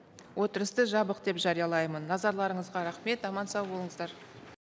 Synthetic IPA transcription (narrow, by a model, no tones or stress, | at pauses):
wo̞t̪əɾəst̪əʒɑbəqd̪e̞pʒɑɾijɑlˠɑjmənːɑzɑɾlˠɑɾəɴəzʁɑɾɑχme̞t̪ɑmɑnsɑwbo̞lˠəɴəzd̪ɑɾ